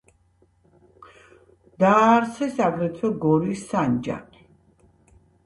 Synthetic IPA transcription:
d̪aːɾt̪sʰɛsaɡɾɛt̪ʰwɛɡɔɾisːand͡ʒa̰ni

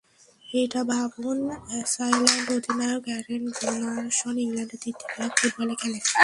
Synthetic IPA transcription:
ejʈabʱabunsajlaɳɖod̪ʱinajokɛɾenɡonaʃɔniŋlaɳɖed̪it̪ʰːikafuʈbalekɛle

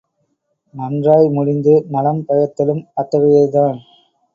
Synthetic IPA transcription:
mɐndraːjmʊɻɪnd̪ɯmɐlɐmpɐjɐt̪ːɪlɯmɐt̪ːɐʋɪjɐɪðaːn

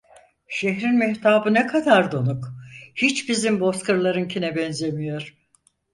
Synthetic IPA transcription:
ʃeɦɾinmɛht̪ʰaːbɯnɛkʰad̪aɾd̪onukhit͡ʃbizimbo̞skɯɾlˠaɾɯncʰinɛbɛnzemijo̞ɾ̥

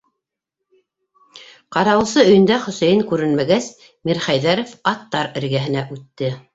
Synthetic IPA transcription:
qɑɾɑwɤ̆sɤɵ̆jɘ̆nd̪æχɵ̆sæjɘŋkʉɾɘ̆nmæɡæs | miɾχæjðæɾŏfɑt̪ːɑɾɘ̆ɾɡæɦɘ̆næʔʉt̪ːɘ

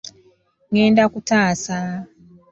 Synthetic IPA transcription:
ŋeːndakutaːsa

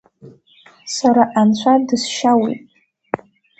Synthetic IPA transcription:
saɾaʔant͡ɕʷʰadɨsʃawḭtʼ

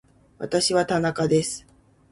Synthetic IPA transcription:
βa̰t̪aɕiβat̪anakad̪e̞sɨ̥

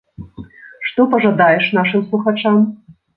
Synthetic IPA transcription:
ʂt̪ɔpɐʐad̪ajɛʂnaʂɨmslˠuxat͡ʂam

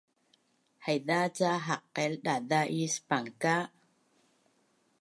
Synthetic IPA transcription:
hajðat͡ʃaɦaqːelɗaðaʔispaŋka

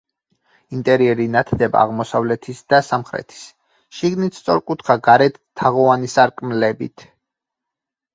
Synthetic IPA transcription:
int̪ʼɛɾiɛɾinat̪ʰd̪ɛba̰ːʁmɔsavlɛt̪ʰisd̪̥asamχɾɛ̰t̪ʰi̥s | ʃiɡnit̪st̪sʼɔɾkʼut̪ʰχaɡaɾɛt̪ʰːaʁɔanisaɾkʼmlɛbḭt̪ʰ

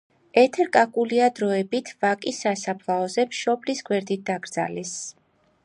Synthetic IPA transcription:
ɛt̪ʰɛɾkʼakʼuliad̪ɾɔɛbit̪ʰvakʼisːasapʰlˠaɔzɛmʃɔblisɡwɛɾd̪it̪̚d̪aɡɾd̪za̰lɛs

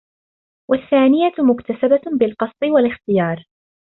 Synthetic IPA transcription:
waθːaːnɪjamʊkt̪asababɪlqɑsˤt̪ˤɨwalɪxt̪ɪjɑːɾˤ

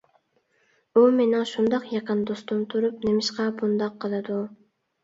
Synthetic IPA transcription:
umenɪŋʃund̪ɑqjɑqɑnd̪ost̪umt̪ʰuɾupnemɪʃqɑbund̪ɑqʰːəlˠɨd̪u

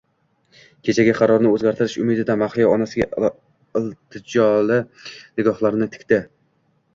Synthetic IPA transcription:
kʲʰe̞t͡ʃʰaɡʲaqʰɑɾɒɾnɪɵzɡʲaɾt̪ʰɪɾɪʃʊmɪd̪ɪd̪anmaχfijaɒnasɪɡʲa̰ | ɪlˠt̪ʰɪd͡ʒɒlɪnɪɡɒhlˠaɾnɪt̪ʰɪ̥kʲt̪ɪ

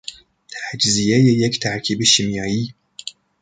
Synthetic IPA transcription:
ħad͡ʒzijɛjɛjɛkt̪ʰaʕkʰʲibiʃimjɑːji

